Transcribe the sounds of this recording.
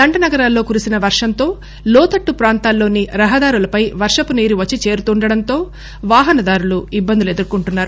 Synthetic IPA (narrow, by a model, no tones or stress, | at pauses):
d̪ɐɳɖɐnɐɡɐɾaːlːo̞ːkuɾisinɐʋɐɾʂɐnt̪o̞ː | lɔːt̪ɐʈːupɾaːnt̪aːlːo̞ːniɾɐɦɐd̪aːɾulɐpɐjʋɐɾʂɐpuniːɾiʋɐt͡ʃːit͡ʃe̞ːɾut̪uːɳɖɐɽɐnt̪o̞ː | ʋaːɦɐnɐd̪aːɾuluibːɐnd̪ilue̞d̪uɾukuɳʈunːaːɾu